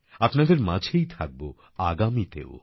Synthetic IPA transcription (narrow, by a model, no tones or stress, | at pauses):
apnad̪eɾmad͡ʑʱejt̪ʰak̚bo | aɡamit̪ḛo̰